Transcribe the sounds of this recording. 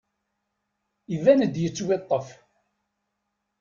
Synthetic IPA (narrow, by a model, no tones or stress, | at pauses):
ivænəd̪jət͡sːwet̪ˤːəf